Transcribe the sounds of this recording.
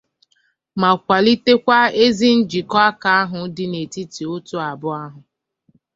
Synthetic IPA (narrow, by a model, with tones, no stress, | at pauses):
ma˨kʷa˨li˦te˦kʷa˦e˦zi˦n̩˦d͡ʒi˨kɔ˦a˦ka˨a˦ɦʊ˨dɪ˦ne˨ti˦ti˨o˦to˦a˨bʊ˦a˦ɦʊ˨